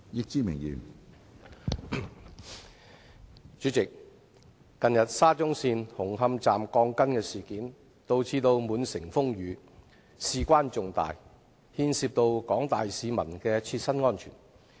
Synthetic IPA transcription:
jɪ˧k̚t͡siː˥mɪ˨˩ŋjḭː˨˩n | t͡ʃy˨˥t͡sɪ˨k̚ː | ɐ˨njɐ˨t̚saː˥t͡sʊ˥ŋsiː˧nhʊ˨˩ŋɦɐ˧mt͡saː˨mkɔː˧ŋkɐ˥nkɛː˧siː˨kiː˨˥n | t̪o˧wt͡sʰiː˧t̪o˧wmuː˨˧nsɪ˨˩ŋfʊ˥ŋjyː˨˥ | siː˧kʷwaː˥nt͡sʊ˨ŋt̪a̰ː˨j | hiː˧nsiː˧p̚t̪o˧wkɔː˨˥ŋt̪aː˨jsiː˨˧mɐ˨˩nkɛː˧t͡sʰiː˧t̚sɐ˥nŋɔː˥nt͡ʃʰy̰ː˨˩n

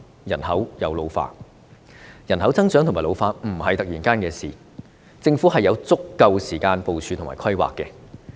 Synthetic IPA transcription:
jɐ˨˩nhɐ˨˥wjɐ˨˧wlo˨˧wfa̰ː˧t̚ | jɐ˨˩nhɐ˨˥wt͡sɐ˥ŋt͡sœː˥t̪ʰŋmaː˨˩lo˨˧wfaː˧t̚m̩˨˩hɐ˨jt̪ɐ˨k̚jiː˨˩nkaː˥nkɛː˧siː˨ | t͡sɪ˧ŋfuː˨˥hɐ˨jːɐ˨˧wt͡sʊ˥kːɐ˧wsiː˨˩kaː˧npo˨wt͡ʃʰyː˧t̪ʰma̰ː˨˩kʰɐ˥jwa̰ː˨kːɛ˧

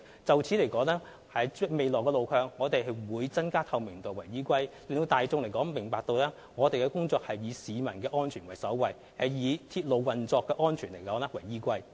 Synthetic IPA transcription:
t͡sɐ˨wt͡sʰi˨˥le˨˩jkɔː˨˥ŋlɛː˥ | hɐ˨˥jme˨jlɔː˨˩kːɛ˧lo˨˧wkʰœː˧ŋːɔː˨˧t̪e˨jɦɐ˨jwuː˨˧jt͡sɐ˥nkaː˥t̪ʰɐ˨˧wmɪ˨˩ŋt̪o˨˩wɐ˨˩jiː˥kʷɐ˥jlɪ˨˧ŋt̪o˧wt̪aː˨jt͡sʊ˧ŋle˨˩jkɔː˨˥ŋmɪ˨˩ŋpaː˧k̚t̪o˧wlɛː˥ | ŋɔː˨˧t̪e˨jkɛː˧kʊ˥ŋt͡sɔː˧k̚hɐ˨jːiː˨˧siː˨˧mɐ˨˩nkɛː˧ʔɔː˥nt͡ʃʰyː˨˩nwɐ˨˩jsɐ˨˥wwɐ˨j | hɐ˨˧jjiː˨˧t̪ʰiː˧t̚lo˨˧wwɐ˨nt͡sɔː˧kːɛː˧ʔɔː˥nt͡ʃʰyː˨˩nle˨˩jkɔː˨˥ŋlɛː˥wɐ˨˩jːiː˥kʷɐ˥j

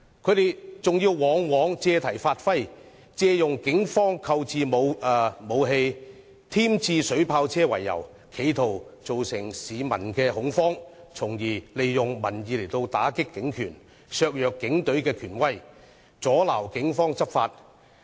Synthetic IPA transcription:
kʰɵ˨˧˥t̪e˨jt͡sʊ˨ŋjiː˧wwɔː˨˧˥ŋwɔː˨˥ŋt͡sɛː˧t̪ʰɐ˨˩jfaː˧t̚fɐ˥j | t͡sɛː˧jʊ˨ŋkɪ˨˥ŋfɔː˥ŋkʰɐ˧wt͡siː˨˧mo˨˧wmo˨˧wɦe˧ | t̪ʰiː˥mt͡sʰiː˧sɵ˨˥ɥpʰaː˧wt͡sʰɛː˥wɐ̰˨˩jːɐ̰˨˩w | kʰe˨˧jt̪ʰo˨˩wt͡so˨wsɪ˨˩ŋsiː˨˧mɐ˨˩nkɛː˧ɦʊ˨˧˥ŋfɔː˥ŋt͡sʰʊ˨˩ŋjiː˨˩le˨jːʊ˨ŋmɐ˨˩njiː˨˧le˨˩jt̪o˧wt̪aː˨˥kɪ˥kːɪ˨˥ŋkʰyː˨˩n | sœː˧k̚jœː˨kːɪ˨˥ŋt̪ɵ˨˥ɥkɛː˧kʰyː˨˩nwɐ˥˩j | t͡sɔː˨˥laː˨˩wkɪ˨˥ŋfɔː˥ŋt͡sɐ˥p̚faː˧t̚

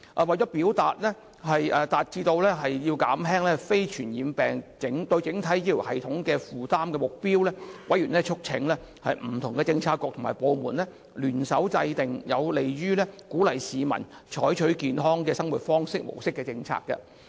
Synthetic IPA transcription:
ʔɛː˨wɐ˨jt͡ʃɔ˨˥piː˨˥wt̪aː˨t̚lɛː˥ | hɐ˨jʔɛː˨t̪aː˨t̚t͡siː˧t̪o˧wlɛː˥ɦɐ˨jjiː˧wkaː˨˥mɦɛː˥ŋlɛː˥fe˥jt͡ʃʰyː˨˩njiː˨˧mpɛː˨˩ŋt͡sɪ˨˥ŋt̪ɵ˧ɥt͡sɪ˨˥ŋt̪ʰɐ˨˥jiː˥li˨˩whɐ˨jt̪ʰʊ˨˥ŋkɛː˧fuː˨t̪aː˥mkɛː˧mʊ˨k̚piː˥wlɛː˥wɐ˨˥jɥyː˨˩nlɛː˥t͡ʃʰʊ˥k̚t͡sʰɪ˨˥ŋlɛ˥ | hɐ̰˨jm̩˨˩t̪ʰʊ˨ŋkɛ˧t͡sɪ˧ŋt͡sʰaː˧t̚kʷːɔː˧k̚t̪ʰma̰ː˨˩jpo˨˧wmuː˨˩nlɛ˥ | lyː˨˩nsɐ˨˥wt͡sɐ˧jt̪ɪ˨ŋjɐ˨˧wle˨jɥyː˥lɛː˥kuː˨˥lɐ˨˩jsiː˨˧mɐ̰˨˩n | t͡ʃʰɔː˨˥jt͡ʃʰɵ˨˥ɥkiː˨nɦɔː˥ŋkɛː˧sɐ˥ŋwuː˨˩t̚fɔː˥ŋsɪ˥k̚mo̰˨˩wsɪ˥kːɛː˧t͡sɪ˧ŋt͡sʰa̰ː˧kɐ̰˧

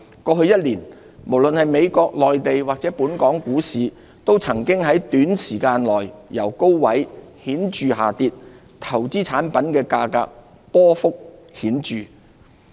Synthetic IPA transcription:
kɔː˧ɦɵ˧ɥjɐ˥t̚liː˨˩n | mo˨˩wlɵ˨nhɐ˨jme˨˧jkɔː˧k̚lɔː˨jt̪e˨jwaː˨k̚t͡sɛː˨˥puː˨˥nkɔː˨˥ŋkuː˨˥siː˨˧ | t̪o˥wt͡sʰɐ˨˩ŋkɪ˥ŋɦɐ˨˥jt̪yː˨˥nsiː˨˩kaː˧nlɔː˨˩jjɐ˨˩wko˥wwɐ˨˥jhiː˨˥nt͡ʃyː˨ɦaː˨t̪iː˧t̚ | t̪ʰɐ˨˩wt͡siː˥t͡sʰaː˨˥npɐ˨˥nkɛː˧kaː˧ka̰ː˧k̚ | pɔː˥fʊ˥k̚hiː˨˥nt͡ʃyː˨˩

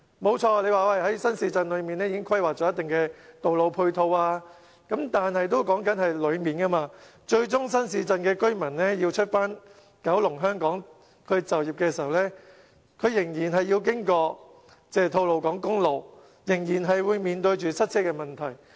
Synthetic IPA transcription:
mo˨˧wt͡ʃʰɔː˧le˨˧jwaː˨wɐ˧jhɐ˨˥jsɐ˥nsiː˧t͡sɐ˧nlɵ˨˧ɥmiː˨˩nɛ˥jiː˧kɪ˥ŋkʰwɐ˥jwaː˨k̚t͡ʃɔː˨˥ɐ˥t̪ɪ˨ŋkɛ˧t̪o˨wlo˨˧wpʰu˧jt̪ʰo˧waː˧ | kɐ˨˥mt̪aː˨nhɐ˨jt̪̬o˥wkɔː˨˥ŋkɐ˨˥nhɐ˨jlɵ˨˧ɥmiː˨nkɐ˥maː˧t͡ʃɵ˧ɥt͡ʃʊ˥ŋsɐ˥nsiː˧t͡sɐ˨˧nkɛː˧kɵ˥ɥmɐ˨˩nlɛː˥ji˧wt͡ʃʰɵ˥t̚faː˥n | kɐ˨˥wlʊ˨˩ŋɦœː˥ŋkɔː˨˥ŋ | kʰɵ˨˧t͡sɐ˨wjiː˨p̚kɛː˧si˨˩ɐ˨wlɛː˥ | kʰɵ˨˧ɥjɪ˨˩ŋjiː˨˩nɦɐ˨jiː˧wk̬ɪ˥ŋkɔː˧ | t͡sɛː˥˩t̪ʰo˧wlo˨˧wkɔː˨˥ŋkʊ˥ŋlo˨˧w | jɪ˨˩ŋjiː˨˩nɦɐ˨jwuː˨˧jmiː˨nt̪ɵ˧ɥt͡ʃyː˨sɐ˥t̚t͡sʰɛː˥kɛ˧mɐ˨˩nt̪ʰɐ˨˩j

